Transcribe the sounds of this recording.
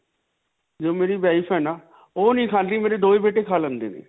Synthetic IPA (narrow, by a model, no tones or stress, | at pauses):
d͡ʒoːmeːɾiːbaːɪpʰɦɛːnaː | oːnĩːkʰaːnliːmeːɾeːd̪oːeːbeːʈeːkʰaːlə̃nd̪ḛːnḛː